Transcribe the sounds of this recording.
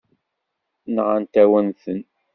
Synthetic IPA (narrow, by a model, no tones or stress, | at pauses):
nʁant̪æwənθən